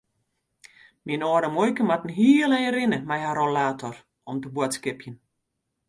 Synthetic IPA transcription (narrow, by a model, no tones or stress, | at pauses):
minoːɾəmojkəmatn̩ɦiːəlɛjərɪnəmɛjharolaːtʰɔr | ɔmtəbwɔtskɪpjən